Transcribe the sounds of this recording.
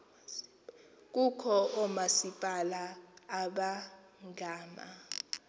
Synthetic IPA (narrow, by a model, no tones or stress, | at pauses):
k̬ukʰɔɔmasipʼalaːɓa | ŋɡʱaːma̰